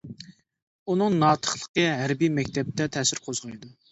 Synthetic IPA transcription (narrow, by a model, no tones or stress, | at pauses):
unɨŋnɑːt̪ʰə̥χlˠə̥qəɦæɾbijmɛkʲt̪ʰɛp̚t̪ʰɛt̪ʰɛsɪɾqʰozʁɑjɨd̪u